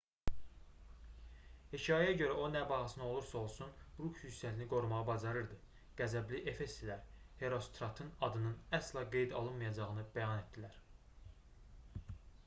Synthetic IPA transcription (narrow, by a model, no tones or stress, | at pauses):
hecʰɑjæjæɟø̞ɾæo̞næbɑʁɑsɯnɑo̞lˠuɾsɑo̞lˠsunɾukyssæt̪iniɡo̞ɾumɑʁɑbɑzɑɾɯɾd̪ɯ | ɡ̥æzæbliʔefe̞st̪ilæɾ | he̞ɾo̞st̪ɾɑt̪ʰɯnɑd̪ɯnɯnæslˠɑɡe̞jd̪ɑ̰lˠɯnmɑjɑd͡ʒɑʁɯnɯbæjɑne̞t̪̚d̪ilæɾ